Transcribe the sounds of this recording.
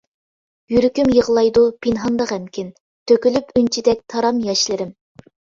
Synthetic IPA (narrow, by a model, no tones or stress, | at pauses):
jyɾykʲymjəʁlˠɑjd̪upʰinɦɑnd̪ɑʁɛmkʲʰɪn | t̪ʰøkʲylypʰynt͡ʃʰid̪ɛk̚ʲt̪ʰɑɾɑmjɛʃlɪɾɪm